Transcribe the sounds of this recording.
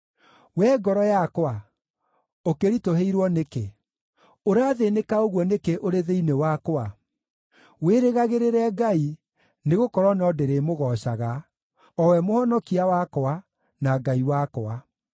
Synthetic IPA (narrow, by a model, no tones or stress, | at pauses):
wɛɡɔɾɔjakowa | okeɾitoɦeiɾwɔneke | oɾaðenekaoɣwɔnekeʔoɾeðeinewakwa | weɾeɣaɣeɾeɾɛɡai | neɣokɔɾwɔnɔdeɾemoɣɔɕaɣa | ɔwɛmohɔnɔkiawakoa | naɡaiwakoa